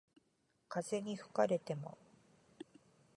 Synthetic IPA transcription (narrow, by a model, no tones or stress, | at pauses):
kaze̞ɲ̟iɸɯ̟̥kaɾe̞t̪e̞mo̞̰